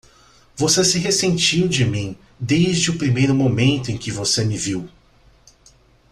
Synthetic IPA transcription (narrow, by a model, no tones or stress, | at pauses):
vosesɪɦesẽnt͡ʃiwd͡ʒɪmĩ | d̪ejzd͡ʒɪʊpɾimejɾʊmomẽnt̪ʊẽkɪvosemɪviw